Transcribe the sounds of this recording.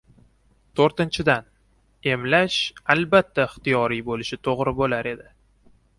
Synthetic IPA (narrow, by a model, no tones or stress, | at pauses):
t̪ʰoɾt̪ɪnt͡ʃʰɪd̪an | e̞mlaʃalbat̪ʰːaɪχt̪ijɒɾijbolɪʃɪt̪ʰoʁɾɪbolaɾʔe̞d̪ɪ